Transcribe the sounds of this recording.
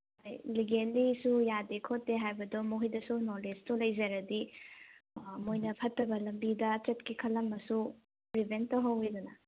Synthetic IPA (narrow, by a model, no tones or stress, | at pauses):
hajliɡenlisujadekʰotːeɦajbɐdɔmoɦijdɐsunolestulɐjzɐɾɐdi | mojnɐpʰɐtːɐbɐlɐmbidɐt͡ʃɐtkikʰɐlːɐmːɐsu | ɾibʱentɐwɦɐwidunɐ